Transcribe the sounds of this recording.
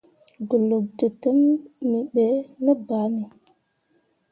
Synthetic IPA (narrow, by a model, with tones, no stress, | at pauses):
ɡu˨lu˨b̚tə˨tə˦mːi˨ɓe˨˦lə˦ba˨˦ni˨